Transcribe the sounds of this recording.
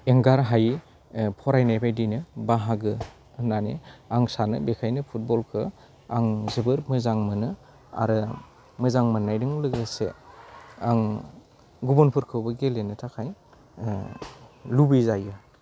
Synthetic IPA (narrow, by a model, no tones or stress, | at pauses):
eŋɡaɾɦaj | pʰɔɾajnajpʰajdijnɯbaɦaɡɯ | nanḛaŋsanɯ̰bekʰajnɯpʰut̚bɔlkʰɯ | aŋzɯbɯɾmɯzaŋmɯnɯ | a̰ɾɯ | mɯzaŋmɯnːajdɯŋlɯɡɯsḛ | aŋ | ɡubɔnpʰɯɾkʰɯwbɯɡelenɯtʰakʰaj | lubizajɯ